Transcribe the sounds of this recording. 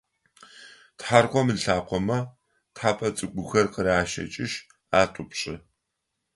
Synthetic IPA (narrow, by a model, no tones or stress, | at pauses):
tħarqʷɔmɨɬaːqʷɔmɐ | tħaːpʰʼɐt͡sʼɨɡʷʊxɐrqəɾaːʃɐ̰t͡ʃʼɪʃ | aːtʷʼʊpɕʼɪ